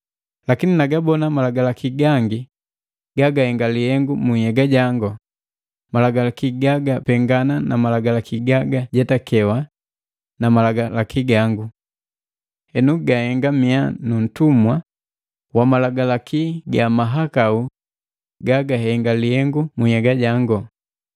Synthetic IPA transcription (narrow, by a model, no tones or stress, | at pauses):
lakininaɡabɔnamalaɡalakiɡaŋɡi | ɡaɡahɛŋɡalihɛŋɡumuhɛɡaɟaŋɡɔ | malaɡalakiɡaɡapɛŋɡananamalaɡalakiɡaɡaɟɛtakɛwa | namalaɡalakʰiɡaŋɡu | hɛnuɡahɛŋɡamianun̩tumwa | wamalaɡalakiɡamaɦakau | ɡaɡaɦɛŋɡalihɛŋɡumuhɛɡaɟaŋɡɔ